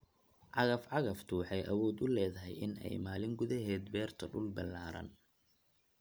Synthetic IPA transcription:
ʕɑɣɐfʕɑɣɐft̪ʰʊwɑħɑjʔɐwɔːd̪ʊlɛːðɐɦɛ̰jʔɪnɛ̰jmaːlɪŋɡʊðɐɦɛːd̪bɛːrt̪ʰɐɖʊlbɪlːaːɾɐ̰n

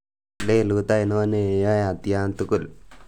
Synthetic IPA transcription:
leluut̪ajnonejajat̪ijant̪ukul

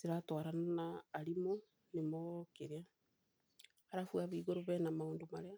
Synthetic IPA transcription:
zeɾatɔɾannaːɾimo | nemɔkeɾea | aɾafuaβiːɣoɾoβɛnamaoːndomaɾea

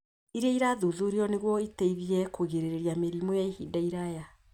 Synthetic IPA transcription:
iɾaiɾaðuðuɾeɔneɣwɔiteiðiɛkoɣeɾeɾeɾjameɾimɔjaihidaiɾaja

